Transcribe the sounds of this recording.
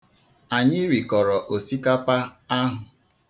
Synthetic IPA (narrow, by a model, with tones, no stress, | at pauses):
a˨ɲɪ˦ɾi˨kɔ˨ɾɔ˨ʔo˨si˦ka˦pa˦a˦ɦʊ˨